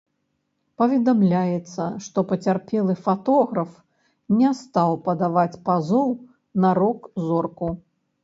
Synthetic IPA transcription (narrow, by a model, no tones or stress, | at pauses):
pɐvʲɛd̪amlʲajɛt̪sːɐʂt̪ɔpɐt͡sʲarpʲɛlˠɨfat̪ɔɣɾɐf | nʲɛst̪awpɐd̪avat͡sʲpazɔw | nɐɾɔkzɔrku